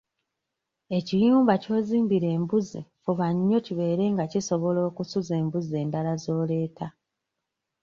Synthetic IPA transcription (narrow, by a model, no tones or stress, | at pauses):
e̞cijuːmbaco̞ːziːmbiɾe̞ːmbuzifuβaɲːo̞ciβe̞ːɾe̞ŋɡaciso̞βo̞lo̞ːkusuze̞ːmbuze̞ːndalazo̞ːle̞ːta